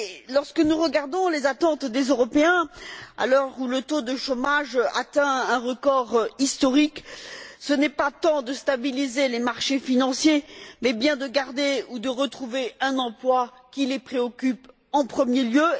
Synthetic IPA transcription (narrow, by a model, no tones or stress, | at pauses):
lɔʁskənuʁəɡaʁd̪ɔ̃lezat̪ɑ̃t̪d̪ezøʁɔpeɛ̃a̰lɔʁulət̪od̪əʃomaʒa̰t̪ɛ̃ɛ̃ʁəkɔʁist̪ɔʁiksənɛpat̪ɑ̃d̪əst̪abilizelemaʁʃefinɑ̃sjemɛbjɛ̃d̪əɡaʁd̪eud̪əʁət̪χuveɛ̃nɑ̃plwa | kʲilepχeɔkʲyp | ɑ̃pχəmjeljø